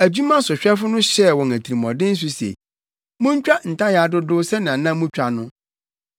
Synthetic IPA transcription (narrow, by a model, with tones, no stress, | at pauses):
æ˨d͡ʑu˦mã˦sʊ˨ɕᶣɛ˦fʊ˦nʊ̃˦ɕɛ˦˨wɔ̃˨ŋæ˨tʰi˨ɾi˨mɔ̃˨dɪ̃˦n̩˦s̬ʊ˦sḛ˨ | mʊ̃˦ɲ˦t͡ɕᶣa˦n̩˨tʰa˦ja˨dʊ˦dʊ˦sɛ˦nɪ̃˨ã˨nã˦mũ˦t͡ɕᶣa˨nʊ̃˦